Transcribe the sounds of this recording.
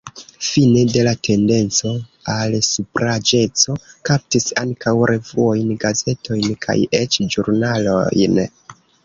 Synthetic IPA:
fine̞de̞latʰe̞nde̞nt͡so̞alsupɾad͡ʒe̞t͡so̞kap̚tisaŋkawɾʔe̞vuo̞jnɡaze̞to̞jnkʰa̰je̞t͡ʃd͡ʒuɾnalo̞̰jn

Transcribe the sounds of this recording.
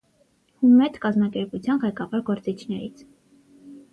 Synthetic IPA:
humɛt̪kɑzmɑkɛɾput͡sʰjɑnʁɛjkɑvɑɾɡɔɾt͡sit͡ʃʰnɛɾḭt͡sʰ

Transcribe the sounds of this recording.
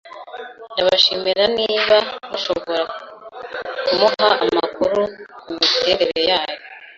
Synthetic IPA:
ndaβaʃimiɾaniːβaβuʃo̞βo̞ɾa | kumuhaʔːma̰kuɾumumite̞ɾeɾe̞jaːjo̞

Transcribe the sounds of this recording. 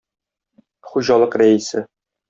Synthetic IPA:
χuʑɑlˠɤqɾæisɘ

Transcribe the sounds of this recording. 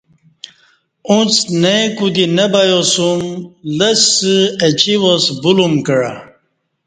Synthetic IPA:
ũt͡snejkud̪inɐbajosumləsɨet͡ɕiwosbulumkəɽa̰

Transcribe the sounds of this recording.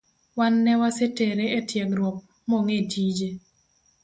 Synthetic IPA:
wanːɛwaseteɾeetjɛɡɾwɔp̚ | moŋetʰid͡ʒe

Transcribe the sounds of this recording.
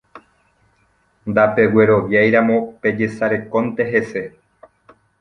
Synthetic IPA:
nd̪ape̞we̞ɾo̞ʋjajɾamõ̞pe̞d͡ʒe̞saɾe̞kõ̞nt̪e̞ɦe̞se̞

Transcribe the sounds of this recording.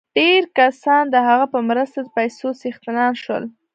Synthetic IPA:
ɖ̥eɾkasɑnd̪əɦaɣapəmɾəst̪ad̪əpajsosixt̪ɪnɑnʃwə̰l

